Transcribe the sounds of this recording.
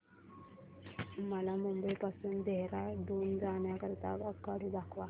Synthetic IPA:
məlamumbəjpasund̪eɦɾad̪oːnd͡zaːnjakəɾt̪a̰kəkːaɽud̪akʰʋa

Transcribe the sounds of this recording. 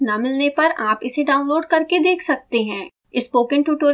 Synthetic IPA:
namɪlnepɐɾaːpɪseɖaːʊ̃nloːɖkɐɾked̪eːkʰsɐk̚t̪eɦɛ̃ː | ɪspoːkə̃ɳʈuːʈoːɾ

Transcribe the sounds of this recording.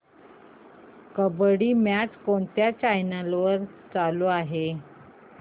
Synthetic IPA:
kəbəɽiːmat͡skoɳt̪jat͡ɕajnalʋəɾt͡saloaɦe

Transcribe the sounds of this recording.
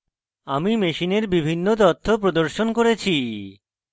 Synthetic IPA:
amimeʃineɾbibʱinːot̪̬ɔt̪ʰːop̬ɾod̪oɾʃonkoɾet͡ɕʰi

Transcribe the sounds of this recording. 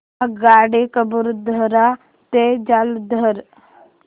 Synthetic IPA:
ɡaːɽekəbuɾd̪ʱəɾa | t̪ed͡ʒald̪ʱəɾ

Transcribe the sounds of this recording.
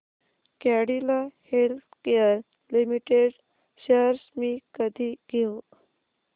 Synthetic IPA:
kaɽilahelt̪keəɾ | limiʈeɖ | ɕəɾsmiːkəd̪ʱiːɡʱeu

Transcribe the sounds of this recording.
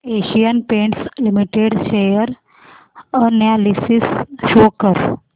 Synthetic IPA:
eɕijənpeɳʈslimiʈeɽɕejəɾ | ənjalisisɕokəɾ

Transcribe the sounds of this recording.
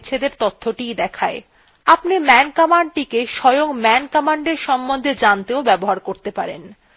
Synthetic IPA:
t͡ɕʰed̪eɾt̪ot̪ʰːoʈijd̪ɛkʰae | apnimɛnkɔmaɳɖ̚ʈikeʃɔjoŋmɛnkɔmaɳɖeɾʃɔmbond̪ʱed͡ʑant̪eobɛboɦaɾkoɾt̪epaɾḛn

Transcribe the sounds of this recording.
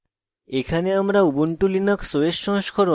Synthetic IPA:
ekʰaneamɾaubuɳʈulinaksoeʃːɔ̃ŋʃkʰɔɾo

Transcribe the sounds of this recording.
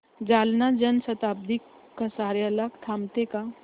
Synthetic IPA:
d͡ʒaːlnad͡ʒənsət̪aːb̚d̪ikː | əsaːɾjalakt̪ʰaːmt̪eka

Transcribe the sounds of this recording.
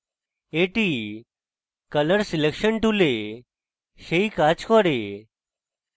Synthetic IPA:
eʈi | kələɾsilekɕəɳʈule | ɕeikat͡skɔɽe

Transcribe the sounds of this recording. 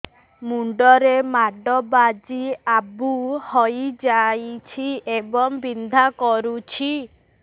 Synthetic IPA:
muɳɖɔɾemaɖɔbad͡ʒiabuhɔjd͡ʒajt͡ʃʰiebɔŋbind̪ʱakɔɾut͡ʃʰi

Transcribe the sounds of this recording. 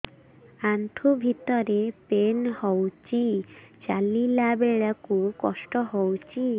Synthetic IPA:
ant̪ʰubʱit̪ɔɾepenhɔwt͡ɕit͡ɕalilabeɭakukɔʃʈɔɦɔwt͡ɕi

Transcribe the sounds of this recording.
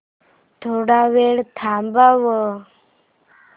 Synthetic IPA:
t̪ʰoɽaʋeɽt̪ʰambaʋə

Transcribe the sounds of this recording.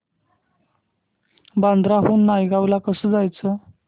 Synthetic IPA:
band̪ɾaɦuːnːajɡawlakəsəːd͡zajt͡sə

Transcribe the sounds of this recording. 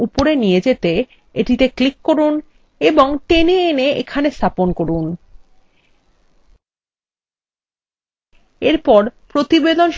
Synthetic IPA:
upoɾenijed͡ʑet̪e | eʈit̪eklikːoɾun | eboŋʈeneeneʔḛkʰanest̪ʰaponkoɾun | eɾpɔɾpɾot̪ibed̪onʃ

